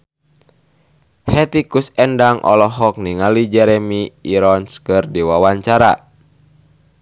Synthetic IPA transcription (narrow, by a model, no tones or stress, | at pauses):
hɛt̪ikusɛndaŋʔɔ̰lɔɦɔk̚niŋalid͡ʒɛɾɛmiiɾɔnskɨrdiwawaɲt͡ʃaɾa̰